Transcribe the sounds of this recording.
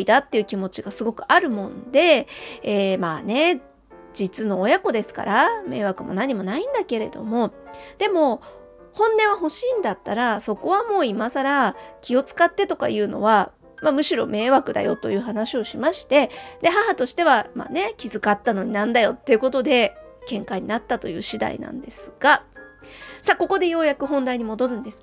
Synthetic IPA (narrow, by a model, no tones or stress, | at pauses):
id̪at̪ːe̞iɯ̟kʲimo̞t͡ɕiɡasɨɡo̞kɯ̟̥aɾɯ̟mõ̞nd̪e̞ː | maːne̞ | d͡ʑit͡sɨno̞ːjako̞d̪e̞sɨ̥ka̰ɾame̞ːβakɯ̟mo̞̰naɲ̟imo̞naĩnd̪ake̞ɾe̞̰d̪o̞̰mo̞d̪̥e̞mo̞ | hõ̞nːẽ̞ɰ̃aɦo̞ɕiːnd̪at̪ːaɾaso̞ko̞βamo̞ːimasaɾakʲio̞t͡sɨ̥kat̪ːe̞t̪o̞ka̰jɯ̟ːno̞̰βa | mamɯ̟ɕiɾo̞̰me̞ːβakɯ̟d̪a̰jo̞̰t̪o̞jɯ̟ːɦanaɕio̞ɕimaɕi̥t̪e̞d̪e̞ɦaɦat̪o̞ɕi̥t̪e̞βama̰ːne̞kʲizɨkat̪ːano̞ɲ̟inãnd̪ajo̞t̪ːe̞jɯ̟ko̞t̪o̞d̪e̞ | kẽ̞ŋkaiɲ̟inat̪ːat̪o̞jɯ̟ːɕid̪a̰ḭnã̰nd̪e̞sɨ̥ɡ̥a | sako̞ko̞d̪e̞jo̞ːjakɯ̟ɦõ̞nd̪aiɲ̟imo̞d̪o̞ɾɯ̟̃nd̪e̞sɨ̥